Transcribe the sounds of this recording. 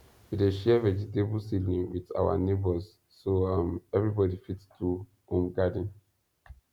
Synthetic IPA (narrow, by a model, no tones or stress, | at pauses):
wideʃɛvɛd͡ʒitebulsilnĩŋwiða̰wa̰nebəsː | oamɛvɹibɔdifitstu | hõmɡadə̃n